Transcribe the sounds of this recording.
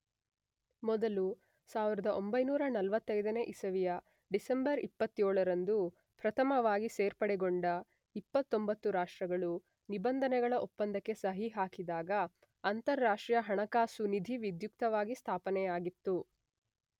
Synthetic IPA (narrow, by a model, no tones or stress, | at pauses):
mɔd̪ɐlu | saːʋiɾɐd̪ɐʔombɐjnuːɾɐnɐlʋɐt̪ːɐjd̪ɐne̞ʔisɐʋijɐ | ɖisembɐɾipːɐt̪ːjoːɭɐɾɐnd̪u | pɾɐt̪ʰɐmɐʋaːɡiseːɾpɐɽɛɡoɳɖɐ | ipːɐt̪ːombɐt̪ːuɾaːʂʈɾɐɡɐɭu | nibɐnd̪ʱɐnɛɡɐɭɐʔopːɐnd̪ɐkːe̞sɐɦiɦaːkid̪aːɡɐː | nt̪ɐɾːaːʂʈɾijɐɦɐɳɐkaːsunid̪ʱiʋid̪juk̚t̪ɐʋaːɡist̪ʰaːpɐnɛjaːɡit̪ːu